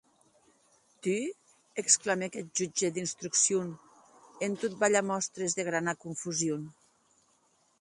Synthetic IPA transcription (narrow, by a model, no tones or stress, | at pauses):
t̪y | eksklamekɛt̪̚ʒud͡ʒed̪inst̪ɾuksion | ent̪ot̪̚baʎamɔst̪ɾezðeɣ̞ɾanakuɱfuzjon